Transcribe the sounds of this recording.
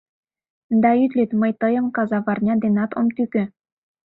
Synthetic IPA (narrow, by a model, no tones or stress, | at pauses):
d̪ɑyt̪lʲet̪məjt̪ɤjɤ̆mkɑzɑβɑrnʲɑd̪enɑt̪o̰mt̪ykʲø̆